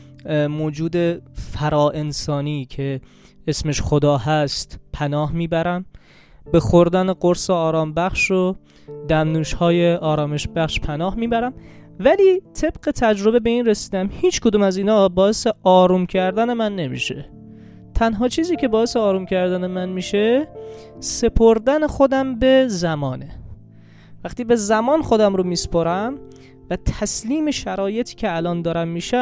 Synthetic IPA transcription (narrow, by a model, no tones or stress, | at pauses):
moːd͡ʒuːd̪e̞fæɾɒːʔe̞nsɒːniːcʰe̞ | esme̞ʃxod̪ɒːhæst̪pʰænɒːhmiːbæɾæm | bexoɾd̪æneɡoɾseɒːɾɒːmbæxʃo | d̪æmnuːʃhɒːjeʔɒːɾɒːme̞ʃbæxʃpʰænɒːhmiːbæɾæmvæliːt̪ʰe̞b̥ɢe̞t̪ʰæd͡ʒɾo̞be̞be̞iːnresiːd̪æmhiːt͡ʃkʰod̪uːmæziːnɒːbɒːe̞se̞ʔɒːɾuːmcʰæɾd̪æne̞mænːe̞mḭːʃe̞ | t̪ʰænɦɒːt͡ʃʰiːziːcʲe̞bɒːe̞seɒːɾumcʰæɾd̪æne̞mænmiːʃe | se̞pʰoɾd̪ænexod̪æmbe̞zæmɒːne | væxt̪iːbe̞zæmɒːnxo̞d̪æmɾomiːspoɾæm | væt̪ʰæsliːme̞ʃæɾɒːje̞t̪ʰi̥ːcʲʰeælɒːnd̪ɒːɾæmːiːʃæ